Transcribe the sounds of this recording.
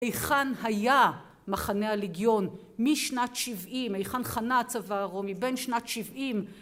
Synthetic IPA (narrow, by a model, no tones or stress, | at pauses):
ejχanhaja | maχanealiɡjo̞n | miʃnatʃivʔimejχanχanat͡savaʁomibenʃnatʃivʔim